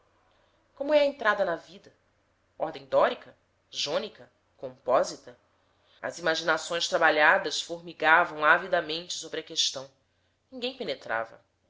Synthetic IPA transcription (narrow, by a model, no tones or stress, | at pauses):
kõmʊɛɐẽnt̪ɾad̪ɐnɐvid̪ɐ | ɔɦd̪ẽj̃d̪ɔɾikɐ | ʒõnikɐ | kõmpɔzit̪ɐ | ɐ̰zimaʒinasõj̃st̪ɾabaʎad̪ɐsfoɦmiɡavɐ̃w̃avid̪ɐmẽnt͡ʃɪ̥sobɾɪɐkeʃt̪ɐ̃w̃ | nĩŋɡẽj̃penet̪ɾa̰vɐ̰